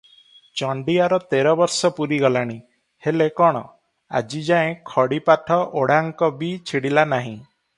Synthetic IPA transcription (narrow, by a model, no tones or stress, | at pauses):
t͡ʃɔɳɖiaɾɔt̪eɾɔbɔɾsɔpuɾiɡɔlaɽ̃i | helekɔɽ̃ɔ̰ | a̰d͡ʒid͡ʒaẽkʰɔɽipaʈʰɔʔoɽaŋkɔbit͡ʃʰiɽilanaɦĩ